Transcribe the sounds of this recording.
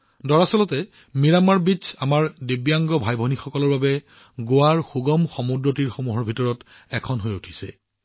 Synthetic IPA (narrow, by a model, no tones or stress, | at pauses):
dɔɹasɔlɔtɛ | miɹamaɹbit͡ʃamaɹdebijaŋɡɔbʱajbʱɔnixɔkɔlɔɹbabɛ | ɡowaɹxuɡɔmxɔmudɹotiɹxomuɦɔɹbʱitɔɹɔt | ɛkʰɔnɦojutʰi̥sɛ̰